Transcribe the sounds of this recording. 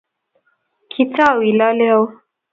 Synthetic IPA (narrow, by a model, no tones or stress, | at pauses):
kʰit͡sawilɑleaw